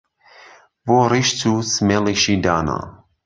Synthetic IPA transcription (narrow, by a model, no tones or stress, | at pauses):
voɾiʃt͡susmɛliʃidana̰